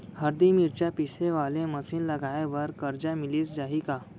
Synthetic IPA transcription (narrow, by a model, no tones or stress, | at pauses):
həɾd̪imiɾt͡ɕjapiseʋalẽməsiːnləɡʱajʋəɾkəɾd͡ʑamiliːsd͡ʑaɦika